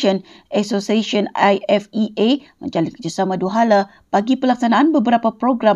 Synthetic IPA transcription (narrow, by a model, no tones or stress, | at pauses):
ən | ɛksosiaʃionajɛfiʔemə̰̃ɲd͡ʒalit̪kəd͡ʒasamãduɦala | b̥aɡipəlaksanãanbəbəɾapapɾoɡɾa